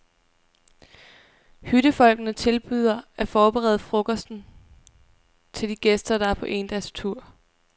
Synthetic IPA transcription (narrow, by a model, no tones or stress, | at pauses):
hyɾ̥əfɒ̽l̰ɡ̥ənət͡sʰe̝lb̥yð̞̰ˠɐæɐfɒːb̥əʁɛːð̩ˠfʁoɡ̥ɒsd̥n̩ | t͡sʰe̝ld̥iɡ̥esd̥ɐɾ̥ɑ̈æɐpʰɒ̽ʔe̝ːnd̥æst͡sʰuɐ̰